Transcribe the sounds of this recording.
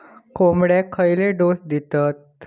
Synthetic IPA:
komɽekʰəjleɖosd̪it̪at̪

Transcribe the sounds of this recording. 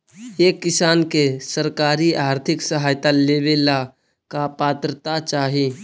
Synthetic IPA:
jekːɪsaːnkesəɾkaːɾiaːɾt̪ʰɪksəɦaːjt̪aleːʋeːla | kapaːt̪ɾət̪at͡ʃaːɦie

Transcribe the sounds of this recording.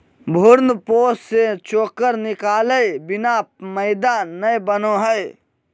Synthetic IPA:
bʱʊɾnpoːsset͡ʃoːkəɾnɪkaːləjbɪnaməɪd̪anəbənoɦəj

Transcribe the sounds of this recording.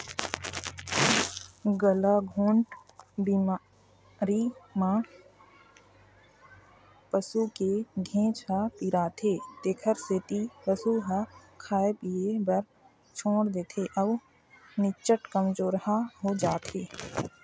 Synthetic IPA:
ɡəlaɡʱũːɳʈbima | ɾimãː | pəsukeɡʱẽːt͡ʃɦapiɾaːt̪ʰeːt̪eːkʰəɾset̪ipəsuɦakʰaːepiebəɾ | t͡ʃʰõːɽd̪eːt̪ʰeːʔəʋ | nɪt͡ʃəʈkəmd͡ʒoːɾhaɦod͡ʒaːt̪eː

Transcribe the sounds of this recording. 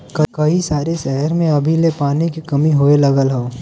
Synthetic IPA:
kɐkɐisaːɾeʃɛɦəɾmẽɐbʱilepaːnikikɐmiɦoːelɐɡəlɦooː

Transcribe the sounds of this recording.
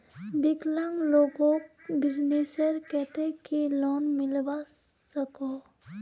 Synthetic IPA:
bɪkləmloːɡõbɪd͡ʒneːsəɾkɛɦt̪ekilɔːnmɪlba | səkoː

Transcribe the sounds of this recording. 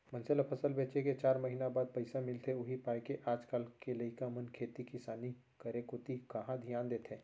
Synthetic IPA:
mɐ̃nselapʰəsəlbeːt͡ʃeket͡ʃaːɾmɐɦiːnabaːd̪̚pɐɪsamɪlt̪ʰeʊɦipaːjkeʔaːd͡ʒkaːlkelɐikãmənkʰeːt̪ikɪsaːni | kɐɾekʊt̪ikɐɦãd̪ʱijaːnd̪eːt̪ʰẽː

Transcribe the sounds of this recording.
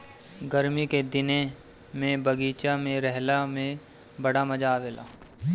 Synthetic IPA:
ɡəɾmiked̪ɪne | mẽbɐɡiːt͡ʃamẽɾɛɦlamẽ | bɐɽamɐd͡ʒaːʋeːlʔa̰ː

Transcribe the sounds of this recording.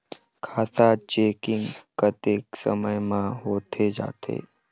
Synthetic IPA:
kʰat̪at͡ʃekiŋɡkət̪eksə̰məjmãɦot̪ʰed͡ʒa̰t̪ʰḛ

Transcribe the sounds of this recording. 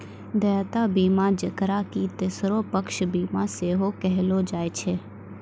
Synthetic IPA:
d̪ɛːt̪aːbiːmãːd͡ʒəkɾaːkit̪esɾopəkʃbiːmãseːɦokɛɦloːd͡ʒaːet͡ʃʰeː

